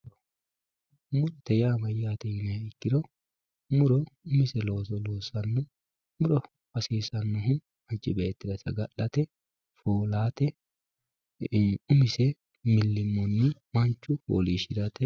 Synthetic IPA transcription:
mʊɾt̪ɛjaːmɐjːaːt̪ɛjɪnɐɪkːɪɾɔ | mʊɾɔʊmɪsɛloːsɔloːsɐnːʊ | mʊɾɔ | fɐsiːsɐnːʊɦʊn | mɐnt͡ʃːɪbeːt̪ːɪɾɐsɐɡɐlːɐt̪ɛ | foːlaːt̪ɛ | ʊmɪsɛ | mɪlːɪmːɔnːɪmɐnt͡ʃːʊfɔ̰liːʃɪd̪ɐt̪ɛ

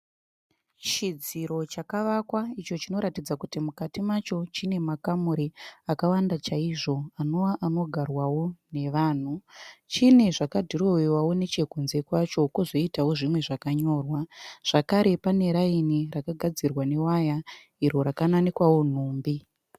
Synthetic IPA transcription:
t͡ʃid͡ziɾo̞t͡ʃakaʋakwait͡ʃo̞t͡ʃino̞ɾatid͡zakutimukatimat͡ʃo̞t͡ʃine̞makamuɾiakawandat͡ʃaiʐo̞anowaʔano̞ɡʱarwawo̞ne̞ʋaːn̤ut͡ʃine̞ʐakadʱirowiwawo̞ne̞t͡ʃe̞kunze̞kwat͡ʃo̞kozo̞itawo̞ʐimwe̞ʐakaɲo̞ːrwaʐ̥akaɾe̞pane̞ɾainirakaɡʱad͡zirwane̞waja | iɾo̞ɾakananikwawo̞n̤uːmbi

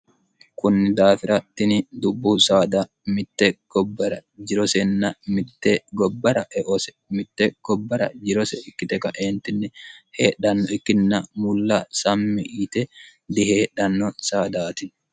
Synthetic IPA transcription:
kʊnːɪd̪aːfɪɾɐt̪ːɪnɪd̪ʊbːusaːd̪ɐ | mɪt̪ːɛɡ̥ɔbːɐɾɐd͡ʒɪɾɔsɛnːɐmɪt̪ːɛɡɔbːɐɾɐʔɛʔɔsɛ̥ | mɪt̪ːɛɡ̥ɔbːɐɾɐ̰d͡ʒɪɾɔsɛɪkːɪt̪ɛkɐʔeːnt̪ɪnːɪheːᶑɐnːɔɪkːɪːɐmulːasɐmːɪʔiːt̪ɛ | d̪ɪɦeːᶑɐnːɔsaːd̪aːt̪ɪn

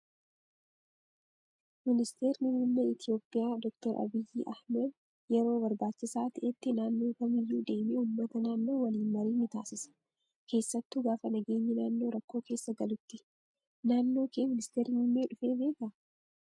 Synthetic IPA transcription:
mɪnɪst̪e̞ːɾnɪnʊmːeːɪt̪ɪjo̞ːpʼːɪjaːd̪ɔk̚t̪ɔɾʔɐ̰bɪjːɪʔɐhmɛd̪ | jɛɾo̞ːbɐɾbaːt͡ʃːɪsaːt̪ɐʔet̪ːɪnaːnːo̞ːkɐmɪjːuːd̪e̞ːmeʊmːɐt̪ɐnaːnːo̞ːwɐliːnmɐɾiːnɪt̪aːsɪsɐ̥ | ke̞ːsːɐt̪ːuːɡaːfɐnɐɡeːɲːɐnaːnːo̞ːɾɐkːo̞ːkʰe̞ːsːɐɡɐlʊt̪ːɪ | naːnːo̞ːkeːmɪnɪst̪eːɾɪnʊmːeːᶑʊfeːbe̞ːkɐ

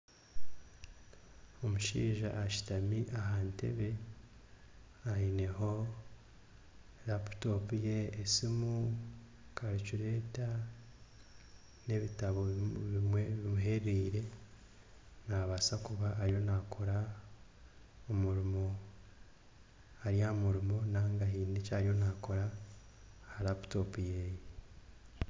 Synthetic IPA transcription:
o̞muʃḭːʒa̰ʔaʃi̥tamiʔaɦaːnte̞̰βe̞ | aine̞ɦo̞ | lapu̥to̞puje̞ːsimu | kʰaɾit͡ʃuɾe̞ːta | ne̞βitaβoβimweβimuɦe̞βiːɾe̞ | ŋaβasakuβaʔːɾjo̞nakʰo̞ɾa | omuɾimo | aɾjamuɾimo̞naːŋɡaɦiːnecaːɾijo̞nako̞ɾaː | lapu̥to̞pujeːje

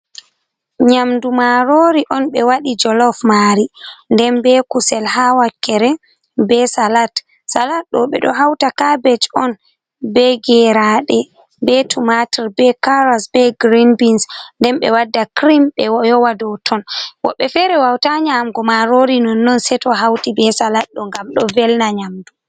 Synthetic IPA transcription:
ɲamdumaɾoɾiʔɔnɓɛwaɗid͡ʒɔlɔfmaɾindɛnbɛkusɛlhawakːɛɾɛ | bɛsalat | salat̚ɗɔɓɛ̰ɗɔ̰ɦawtakabɛt͡ʃɔn | bɛɡɛɾaɗɛ | bɛtʰumatiɾbɛkaɾasbɛɡɾinbinsndɛmɓɛ̰wadːakɾimbɛjɔwadɔtʰɔnwɔ̰ɓɛfɛɾɛwawtaɲamɡɔmaɾoɾinɔnːɔnsɛtɔɦawtibɛsalaɗːɔŋɡamɗɔvɛlnaɲamdu

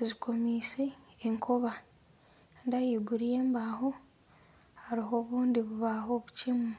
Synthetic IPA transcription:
ezikʰo̞miːse̞ːŋkʰoβa | ndajiɡuɾije̞ːmbaɦo̞ | haɾiɦo̞ːβuːndiβuβaɦo̞βucimu

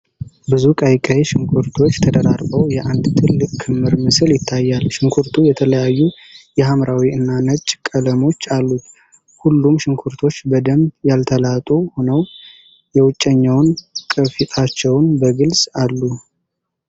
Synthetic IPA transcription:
bɨzukʼəjkʼəjʃɪŋkʰuɾt̪ʰo̞t͡ʃːt̪ʰəd̪əɾaɾbəwjɛʔand̪t̪ʰɨlːɨkʼːʰɨmːɨɾmɨsɨljɪt̪ʰːajːalʃɪŋkʰuɾt̪ʰujɛt̪ʰələjajːu | jɛɦamɾawiɨnːanət͡ʃʼkʼələmo̞t͡ʃːalːu | hulːumʃɪŋkʰuɾt̪ʰo̞t͡ʃːbəd̪əmjalt̪ʰəlat̪ʼuho̞nəw | jɛwʊt͡ʃʼːəɲːawnkʼəfit̪ʼat͡ʃːɛwnbəɡɨlsʼalːu

